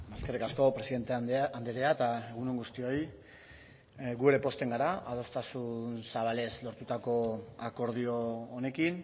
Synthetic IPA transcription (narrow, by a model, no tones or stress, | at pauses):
maskerikasko̞pɾe̞siðe̞nt̪eand̪eɾeat̪ae̞ɣunuŋɡust̪io̞j | ɡueɾe̞po̞st̪e̞ŋɡaɾaað̞o̞st̪asunsaβale̞slo̞ɾt̪ut̪ako̞ako̞ɾð̞ioːne̞kin